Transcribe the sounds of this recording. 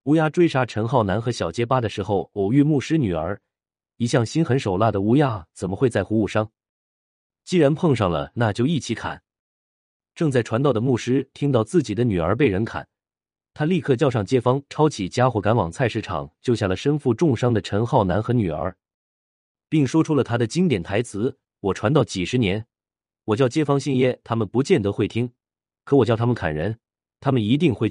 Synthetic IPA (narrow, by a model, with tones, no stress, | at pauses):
u˧˥ja˥ʈ͡ʂwe˥ɪʂa˥ʈ͡ʂʰə˧˥nxɑ˥˩ʊna˧˥nxɤ˧˥ɕjɑ˨˩ʊt͡ɕjɛ˥pa˥d̪ə˨ʂɻ̩˧˥xo˥˩ʊo˨˩ʊy˥˧mu˥˩ʂɻ̩˥ny˨˩ə̰˞˧˥ | i˧˥ɕjɑ˥˩ŋɕi˥nxə˧˥nʂo˨˩ʊla˥˩d̪ə˩u˧˥ja˥˩t͡sə˨˩nmə˦xwe˥˧ɪt͡sa˥˩ɪxu˧˥u˥˩ʂɑ˥ŋ | t͡ɕi˥ɻa˧˥npʰɤ˥˧ŋʂɑ˥˩ŋlə̰˩na˥˧t͡ɕjo˥˧ʊi˥˩t͡ɕʰi˧˥kʰa̰˨˩˦n | ʈ͡ʂɤ˥˧ŋt͡sa˥˩ɪʈ͡ʂʰwa˧˥nt̪ɑ˥˩ʊd̪ə˩mu˥˩ʂɻ̩˥t̪ʰi˥ŋt̪ɑ˥˧ʊt͡sɹ̩˥˩t͡ɕi˨˩d̪ə˦ny˨˩ə̰˞˧˥p̬e˥˩ɪɻə˧˥nkʰa̰˨˩n | t̪ʰa˥li˥˧kʰɤ˥˧t͡ɕjɑ˥˧ʊʂɑ˥˩ŋt͡ɕjɛ˥fɑ˥ŋʈ͡ʂʰɑ˥ʊt͡ɕʰi˨˩t͡ɕja˥xwɔ˧˥ka˧˥nwɑ˨˩ŋt͡sʰa˥˧ɪʂɻ̩˥˩ʈ͡ʂʰɑ̰˨˩˦ŋt͡ɕjo˥˧ʊɕja˥˩lə˩ʂə˥nfu˥˧ʈ͡ʂʊ˥˩˧ŋʂɑ˥ŋd̪ə˨ʈ͡ʂʰə˧˥nxɑ˥˩ʊna˧˥nxɤ˧˥ny˨˩ə̰˞˧˥ | pi˥˩ŋʂwɔ˥ʈ͡ʂʰu˥lə˨t̪ʰa˥d̪ə˨t͡ɕi˥ŋt̪jɛ˨˩nt̪ʰa˧˥ɪt͡sʰɹ̩˧˥ | wɔ˨˩ʈ͡ʂʰwa˧˥nt̪ɑ˥˩ʊt͡ɕi˨˩ʂɻ̩˧˥njɛ˧˥n | wɔ˨˩t͡ɕjɑ˥˩ʊt͡ɕjɛ˥fɑ˥ŋɕi˥˧njɛ˥˩t̪ʰa˥mə˨npu˧˥t͡ɕjɛ˥˩nt̪ɤ˧˥xwe˥˩ɪt̪ʰi˥ŋ | kʰɤ˧˥wɔ˨˩t͡ɕjt̪ʰa˥mə˨kʰa̰˨˩nɻə˧˥n | t̪ʰa˥mə˨ni˧˥t̪i˥˧ŋxwe˥˩ɪ